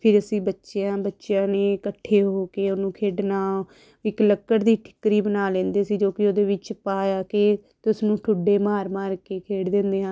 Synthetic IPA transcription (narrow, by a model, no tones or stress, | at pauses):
pʰɪɾəsĩːbətːʃejãːbətːʃjãːneːkəʈʰːeːɦoːkeːonũːkʰeːɖnaː | ɪkləkːəɽd̪iːʈʰɪ̥kːɾiːbənaːlẽːnd̪eːsiːd͡ʒoːkɪoːd̪eːʋɪt͡ʃpaːjaːkeːt̪ʊsnũːʈʰʊɖːeːmaːɾmaːɾkeːkʰeːɖd̪ẽːnd̪eːɦãː